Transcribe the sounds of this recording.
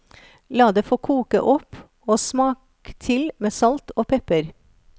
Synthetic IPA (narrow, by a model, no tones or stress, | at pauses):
lɑːd̪eːfoːkʰuːkə̰ʔɔp | oːsmɑːk | t̪ʰɪlmeːsɑlt̪oːpʰɛpəɾ